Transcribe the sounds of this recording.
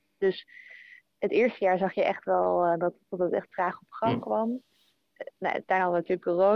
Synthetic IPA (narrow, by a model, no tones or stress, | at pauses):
d̥ɵs | ɦətɪːɹstəjaːɹzɑχjəʔɛχtʋɛlˠdɑtːɔtətɛ̰χtfraːχɔpχɑŋkʋɑm | na̰tajnɑdənatyːɹləkoro